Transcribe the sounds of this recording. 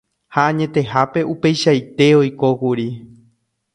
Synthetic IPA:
haãɲẽ̞t̪e̞ɦape̞ʔupe̞jʃajt̪e̞o̞jko̞kuɾi

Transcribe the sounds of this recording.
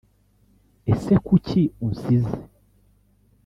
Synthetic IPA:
esekucʰiũnsizi

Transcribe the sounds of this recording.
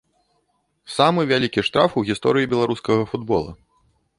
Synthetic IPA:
samɨvʲalʲikʲiʂt̪ɾafuwɣʲist̪ɔɾɨjibʲɛlˠaɾuskɐɣɐfud̪bɔ̰lˠɐ̰

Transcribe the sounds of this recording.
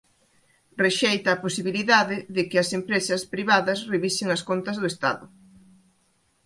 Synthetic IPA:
reʃejt̪ɐːposiβiliðaðɪðɪkɪɐsempɾesɐspɾiβaðɐsreβisɪŋɐskont̪ɐzðʊest̪a̰ðʊ

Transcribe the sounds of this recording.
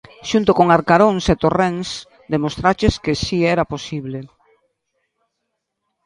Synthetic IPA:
ʃunt̪ʊkoŋaɾkaɾoŋset̪orens | d̪emost̪ɾat͡ʃeskɪsiɛɾaposiβle

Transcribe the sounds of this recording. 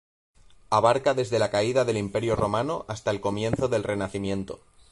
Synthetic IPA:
aβaɾkaðe̞zðe̞lakaiðaðe̞limpe̞ɾjoro̞mano̞ʔast̪aelko̞mjẽ̞nθo̞ðe̞lre̞naθimjẽ̞nt̪o̞̰

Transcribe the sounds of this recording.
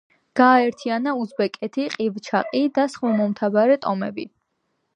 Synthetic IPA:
ɡ̥aːɛɾt̪ʰianauzbɛkʼɛt̪ʰiqʼivt͡ʃʰa̰qʼid̪asχmamɔmt̪ʰabaɾɛt̪ʼɔmɛbi

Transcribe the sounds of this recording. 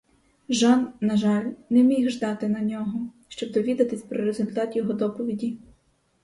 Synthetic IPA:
ʒɑnnɐʒɑlʲnɛmʲiɦʒd̪ɑt̪ɪnɐnʲɔɦɔ | ʃt͡ʃɔbd̪ɔʋʲid̪ɐt̪ɪsʲpɾɔɾezʊlʲt̪ɑt̪jɔɦɔd̪ɔpɔʋʲidʲi

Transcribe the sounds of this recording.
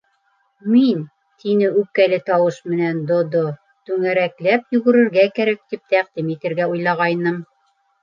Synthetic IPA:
min | t̪ʰinɘʉkːælɘt̪ɑwɤʃmɘ̆nænd̪ŏd̪o | t̪ʉŋæɾæklæpjɵɡɘ̆ɾɘ̆ɾɡækæɾæk̚t̪ip̚t̪æqd̪imit̪ɘ̆ɾɡæujlˠɑʁɑjnɤm

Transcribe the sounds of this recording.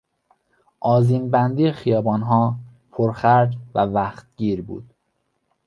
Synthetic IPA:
ʔɒːziːmbænd̪iːexijɒːbɒːnɦɒː | pʰoɾxæɾd͡ʒvævæxt̪̚ɟ̥iːɾbṵːd̪̥

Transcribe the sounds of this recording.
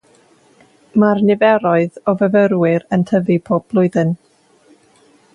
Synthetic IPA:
marnɪvɛɾɔɨðɔvəvəɾwɪɾəntʰəvipʰoːb̚b̥lˠʊɨðɨn

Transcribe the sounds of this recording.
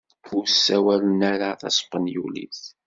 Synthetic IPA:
usːæwælnæɾaθæ̰sˤqːənjulḭθ

